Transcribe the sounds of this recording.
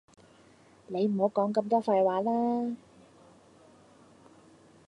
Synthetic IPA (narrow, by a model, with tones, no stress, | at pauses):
ne˨˧jm̩˨˩ho˨˧˥wkɔː˨˥ŋkɐ˧mt̪ɔː˥fa˧jwaː˨˥laː˥